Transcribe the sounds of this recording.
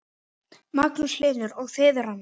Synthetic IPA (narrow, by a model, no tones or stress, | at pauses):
maklʏslɪːɾʏɾɔɣθɪːðʏɾanː